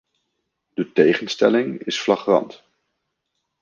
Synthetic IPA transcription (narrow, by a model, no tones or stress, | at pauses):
d̥ətejχənstɛlɪŋɪsflɑχrɑ̰nt